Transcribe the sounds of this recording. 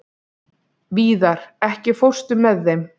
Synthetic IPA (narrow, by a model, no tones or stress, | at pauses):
viːðaɾ̥ɛhcɪfowr̥st̪ʏmːɛðːejm